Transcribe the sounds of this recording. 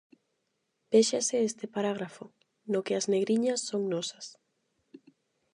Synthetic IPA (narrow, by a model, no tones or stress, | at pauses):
beʃasɪest̪ɪpaɾaɣ̞ɾafʊ | nʊkɪɐzneɣɾiɲɐsːoŋnɔsɐ̥s